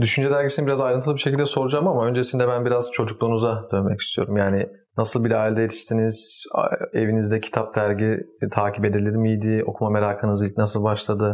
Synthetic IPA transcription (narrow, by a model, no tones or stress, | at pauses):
d̪yʃynd͡ʒɛd̪æɾɟisinibiɾazajɾɯnt̪ʰɯlˠɯbiʃecʰilʲd̪ɛso̞ɾud͡ʒamamaø̞nd͡ʒesind̪ɛbænbiɾazt͡ʃʰo̞d͡ʒuklˠuːnuzad̪̥ø̞nmɛci̥st̪ʰijo̞̰ɾumjaːnɪ | nasɯlˠbilʲɛaːlʲd̪ɛjet̪ʰi̥ʃt̪ʰiniz̥ | e̞vinizd̪ɛcʰi̥t̪ʰap̚d̪æɾɟi | t̪ʰaːcʰipe̞d̪ilʲiɾmijd̪io̞̰kʰumame̞ɾaːkʰɯnɯzilʲcnas̬ɯlˠbaʃlˠad̪ɯ